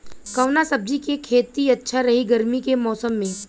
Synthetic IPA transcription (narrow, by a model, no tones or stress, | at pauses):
kɐʋnasɐb̚d͡ʒikekʰeːt̪iɐtːʃʰaɾɐɦiɡɐɾmikemɔːsəmːẽː